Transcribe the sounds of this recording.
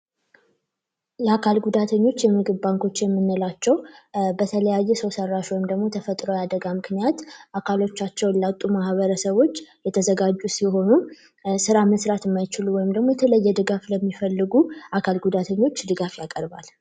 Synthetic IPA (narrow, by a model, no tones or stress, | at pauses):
jɛakʰalɡud̪at̪ʰəɲːo̞t͡ʃːjɛmɨɡɨβbaŋkʰo̞t͡ʃːjɛmːɨnːəlat͡ʃːɛwbət̪ʰələjajːɛsəwsərːaʃwɔjɪmd̪əɡmo̞t̪ʰəfət̪ʼɾojad̪əɡamɨknijat̪ʔakʰalo̞t͡ʃːat͡ʃːɛwlawt̪ʼːumahβəɾəsəβo̞t͡ʃːjɛt̪ʰəzəɡad͡ʒːusiho̞nu | sɨɾaməsɾat̪ɨmːajɪt͡ʃɪluwɔjɪmd̪əɡmo̞jɛt̪ʰələjːɛd̪ɨɡafləmːifəlːɨɡuʔakʰalɡud̪at̪ʰəɲːo̞t͡ʃːd̪ɨɡafjakʼəɾba̰l